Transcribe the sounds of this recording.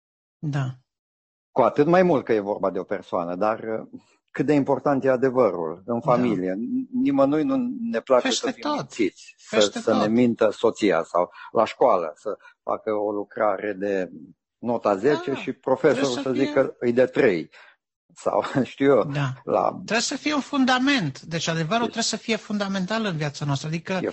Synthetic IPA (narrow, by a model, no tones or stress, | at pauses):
d̪a | kuat̪ɨt̪majmult̪̚kəje̞vo̞rbad̪e̞o̞pe̞rsoanəd̪ar | kɨt̪̚d̪e̞impo̞rt̪ant̪jead̪e̞vəɾṵlɨnfamilijenimənujnune̞plat͡ʃesəfiisit̪sʲsəsəne̞mint̪əso̞t̪sija̰sa̰wlʔaʃkoalə̰səfa̰kəolukɾa̰ɾed̪e̞ | no̞t̪aze̞t͡ʃe̞ʃipɾo̞fe̞so̞ɾusəzikəɨjd̪et̪ɾḛj | sa̰wʃt̪iwjod̪ala̰t̪ɾesəfijeunfund̪ame̞nt̪d̪e̞t͡ʃad̪e̞vəɾulɾesəfije̞fund̪ame̞nt̪alɨnvijat̪sanoast̪ɾəad̪ikəje